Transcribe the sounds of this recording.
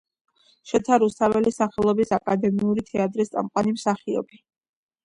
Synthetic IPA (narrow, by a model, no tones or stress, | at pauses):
ʃɛt̪sʰaɾust̪ʰavɛlisaχɛlˠɔbisakʼad̪ɛmiuɾit̪ʰɛat̪ʼɾist̪sʼa̰mqʼwanimsaχiɔ̰bi